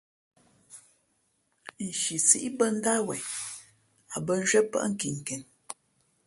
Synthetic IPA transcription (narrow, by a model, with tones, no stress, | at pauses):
n̩˨ʃi˨si˦ʔi˦bə˦n̩˦da˦wɛ˨ | a˨bə˦n̩˦d͡ʒɥə˦pə̰˦ʔŋ̩˦ki˨ŋ˨kɛ˨n